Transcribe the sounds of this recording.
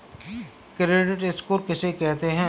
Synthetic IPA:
kɪɾeːʈɪʈɪskoːɾkɪsekɛɦt̪eɦɛ̃ː

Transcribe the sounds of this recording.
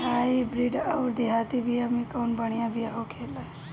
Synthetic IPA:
ɦaibɾiɖəwɾd̪iɦat̪ibʱijamikəwnbəɽ̃ijãbʱijaɦokʰela

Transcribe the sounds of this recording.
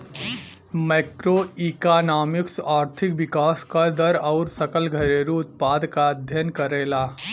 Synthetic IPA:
mɛːkɾoːiːkaːnaːmɪksaːɾt̪ʰɪkʋɪkaːskad̪ɐɾɔʊɾsɐkəlɡʱɐɾeɾuʊt̪̚paːd̪kaɐd̪ʱjənkɐɾeːlaː

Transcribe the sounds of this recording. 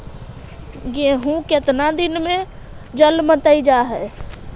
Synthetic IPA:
ɡẽɦũket̪nad̪inmẽ | d͡ʒəlmət̪əid͡ʒaɦɛ

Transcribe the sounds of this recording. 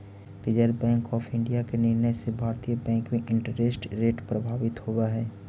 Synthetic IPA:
ɾɪd͡ʒəɾbɛ̃ːŋkɔːpʰɪ̃ɳɖijakenɪɾnɛsebʱaːɾt̪ijəbɛ̃ːŋkmeʔɪ̃ɳʈəɾesʈɾeːʈpɾəbʱaːʋɪt̪howaɦɛː

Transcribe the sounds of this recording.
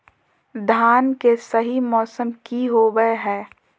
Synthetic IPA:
d̪ʱaːnkesɐɦimɔːsəmkiɦoɡəeɦɛ̃ː

